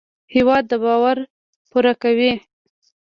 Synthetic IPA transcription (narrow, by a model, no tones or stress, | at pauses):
hewɑd̪ːəbɑwaɾ | puɾakawi